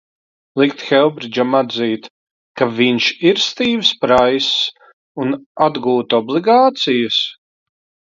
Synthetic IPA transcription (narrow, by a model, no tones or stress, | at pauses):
lˠikt̪xɛlˠbɾid͡ʒamad̪ziːt̪ | kaviɲʃiɾst̪iːvspɾajs | unad̪ɡuːt̪ɔblˠiɡaːt̪sijəs